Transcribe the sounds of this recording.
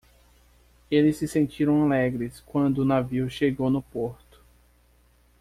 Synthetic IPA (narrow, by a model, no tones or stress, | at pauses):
elɪsːɪsẽnt͡ʃiɾɐ̃w̃alɛɡɾɪskwɐ̃nd̪ʊːnaviwʃeɡownʊpoɾt̪ʊ̥